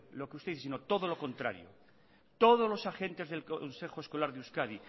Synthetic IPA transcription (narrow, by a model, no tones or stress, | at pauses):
lokeust̪eiθes̬inot̪oðolo̞ko̞nt̪ɾa̰ɾjo̰ | t̪oð̞ozlo̞saxe̞nt̪e̞zðe̞lkoonse̞xoesko̞laɾðeuskað̞i